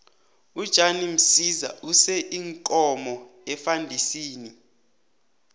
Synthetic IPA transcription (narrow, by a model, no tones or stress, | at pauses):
ud̥ʒ̥ʱanim̩siza̰usɛʔiŋkʼɔmɔ | ɛfandʱisiːni